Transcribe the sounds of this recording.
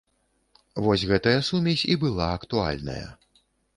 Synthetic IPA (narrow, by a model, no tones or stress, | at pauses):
vɔsʲɣɛt̪ɐjɐsumʲɛsʲibɨlˠaɐkt̪ua̰lʲnɐ̰jɐ̰